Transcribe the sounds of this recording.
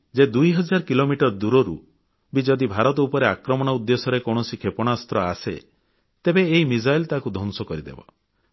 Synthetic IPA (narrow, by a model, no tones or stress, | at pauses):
d͡ʒed̪ujɦɔd͡ʒaɾɔkilomiʈɔɾɔd̪uɾɔɾṵ | bid͡ʒɔd̪ibʱaɾɔt̪ɔupɔɾeakɾɔmɔɽ̃ɔud̪ːesɔɾekɔwɽ̃ɔsikʰepɔɽ̃ast̪ɾɔasḛ | t̪ebeːɦimid͡ʒajlt̪akud̪ʱɔnsɔkɔɾid̪ḛbɔ̰